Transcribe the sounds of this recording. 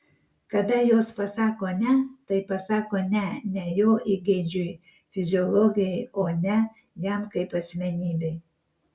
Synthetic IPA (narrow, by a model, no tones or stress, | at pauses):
kɐd̪ɐjoːspɐsɑːkoːnʲɛt̪ɐɪpɐsɑːkoːnʲɛnʲɛjoːʔiːɡʲeːd͡ʒʲuj | fʲɪzʲɪɔlˠɔːɡʲɪjɛɪoːnʲɛ | jɛmkɐɪpɐsʲmʲɛnʲiːbʲeɪ